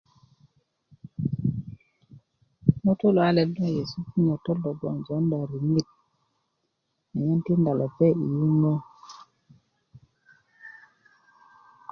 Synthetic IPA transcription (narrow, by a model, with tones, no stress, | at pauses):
no˦to˦lo˨a˦le˨lːo˦je˨su˦ki˦ɲo˨to˦lːo˨ɡo̰˨nzo˨˦nda˨ɾi˨mi˦˨t̚ | ne˨je˦nti˦nda˨lo˨pe˦ḭ˨ju˦no˦